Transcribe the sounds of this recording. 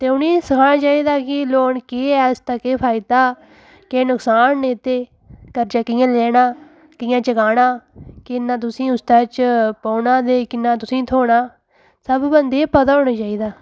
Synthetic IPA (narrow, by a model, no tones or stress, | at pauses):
t̪eːʊniːsəkʰaːnãːt͡ʃaːiːd̪aːkɪloːɳkeːɛːst̪akeːpʰaːɪd̪aː | keːnʊksaːnːeːt̪eː | kəɾd͡ʒaːkɪjãːlɛːnaː | kɪjãːt͡ʃəkaːɽaːkɪnːãːt̪̬ʊsĩːʊst̪aːt͡ʃpɔːnaːd̪eːkɪnːãːt̪̬ʊsĩːt̪ʰoːɽaː | səbbənd̪eːpət̪aːoːnaːt͡ʃaːiːd̪aː